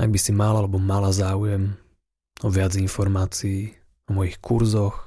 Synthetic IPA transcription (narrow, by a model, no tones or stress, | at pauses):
a̰ɡ̚bisimalalɛbɔmalazaːujɛm | ɔʋɪad͡zinfɔɾmaːt͡siː | ɔmɔjixkuɾzɔx